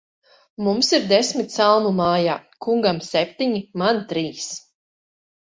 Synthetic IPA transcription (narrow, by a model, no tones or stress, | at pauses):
mumsiɾd̪esmit̪salˠmumaːjaːkuŋɡamsɛp̚ʲt̪iɲimant̪ɾiːs